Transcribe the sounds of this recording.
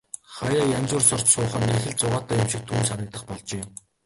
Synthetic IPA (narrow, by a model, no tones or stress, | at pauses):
χajaːjamt͡sʊːrsɔr̥t͡ɕsʊːχə̆nːexɘ̆ɮt͡sʊʁaːt̪ʰaːjʊmʃĭk̚t̪ʰuːnsanə̆kt̪ə̆χpɔɮt͡ɕeː